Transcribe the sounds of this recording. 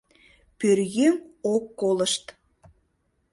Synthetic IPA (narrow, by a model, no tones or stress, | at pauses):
pyɾjymokːoləʃt̪